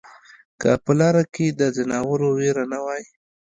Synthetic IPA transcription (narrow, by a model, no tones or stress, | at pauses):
kə̰pəlɑɾaked̪əzɪnɑwəɾoweɾanawɑji